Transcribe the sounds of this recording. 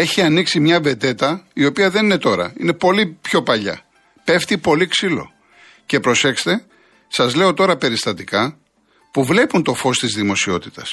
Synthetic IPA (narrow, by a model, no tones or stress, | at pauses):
e̞çiɐniksimɲɐve̞t̪e̞t̪ɐio̞piɐðenine̞t̪o̞ɾɐ̰ine̞po̞lipço̞pɐʎɐ̰ | pe̞ft̪ipo̞liksilo̞̰ | ce̞pɾo̞se̞kst̪e̞ | sɐzle̞o̞t̪o̞ɾɐpe̞ɾist̪ɐt̪ikɐ | puvle̞punt̪o̞fo̞st̪izðimo̞sio̞t̪it̪ɐs